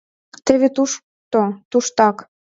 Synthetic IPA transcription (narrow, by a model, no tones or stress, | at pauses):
t̪eβet̪uʃ | t̪ot̪uʃt̪ɑk